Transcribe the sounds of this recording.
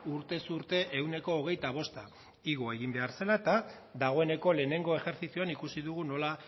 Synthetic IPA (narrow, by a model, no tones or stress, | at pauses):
uɾt̪e̞suɾt̪e̞ʔewne̞ko̞ːɣ̞e̞jt̪aβ̞o̞st̪a | iɣ̞o̞e̞ɣimbe̞aɾse̞laet̪a | d̪aɣ̞o̞e̞ne̞ko̞le̞ːne̞ŋɡo̞e̞xe̞ɾθisjoanikusiðuɣ̞uno̞la